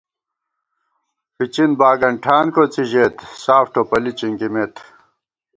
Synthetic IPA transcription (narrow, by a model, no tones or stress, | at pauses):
fit͡ɕinbaːɡɐɳʈʰaːnkot͡siʑet̪saːfʈʰopɐlit͡ɕiŋkimeːt̪ʰ